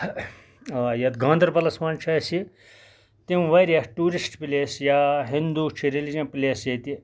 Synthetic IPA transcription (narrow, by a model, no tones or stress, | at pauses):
jɐt̪ɡãːnd̪ɐɾbɐlɐsmɐːnt͡ʃʰɐsi | t̪imʋɐɾjɐhʈuːɾisʈpilʲeːsjaɦind̪uːt͡ʃʰiɾelid͡ʒɐ̃nplʲeːsjɐt̪i